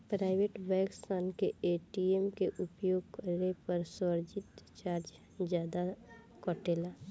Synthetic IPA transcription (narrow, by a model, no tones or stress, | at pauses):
pɾaːɪʋeːʈbɛ̃ːksaːnkeeːʈiemkeʔʊpjoːɡkəɾnepəɾsəɾd͡ʒɪt̪t͡ʃaːɾd͡ʒ | d͡ʒjaːd̪a | kɔːʈeːla